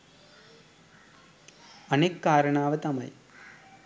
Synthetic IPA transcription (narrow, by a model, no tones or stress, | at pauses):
ɐnekːaːɾɐɳaːʋɐt̪ɐmɐ̰j